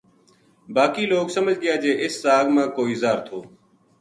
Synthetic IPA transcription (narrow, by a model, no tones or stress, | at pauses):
baːkiːloːɡsəməd͡ʒɡɪjaːd͡ʒeːʔɪsːaːɡmãːkoːiːzaːɾt̪ʰoː